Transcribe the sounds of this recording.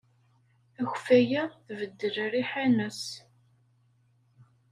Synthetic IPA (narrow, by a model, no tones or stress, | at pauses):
æçfæjæθvəd̪ːəlɾiħænəs